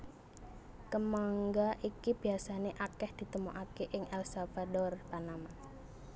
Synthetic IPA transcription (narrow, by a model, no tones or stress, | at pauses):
kəmaŋɡaʔikib̥i̤asaneʔakɛhd̪̥i̤t̪əmuʔakeʔɪŋɛlsav̥adɔrt̪anaman